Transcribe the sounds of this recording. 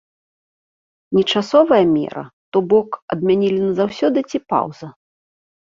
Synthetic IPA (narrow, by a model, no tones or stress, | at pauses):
nʲɛt͡ʂasɔvɐjɐmʲɛ̰ɾɐ̰t̪ɔbɔkɐ̰d̪̚mʲanʲilʲinɐzawsʲɔd̪ɨt͡sʲipa̰wzɐ